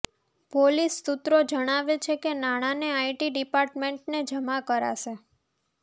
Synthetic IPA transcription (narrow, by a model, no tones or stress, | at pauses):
polist̪ut̪ɾod͡ʒəɽ̃aʋet͡ʃʰekenaɽ̃aneaiʈiɖipaɾʈmeɳʈned͡ʒəmakəɾa̰ʃe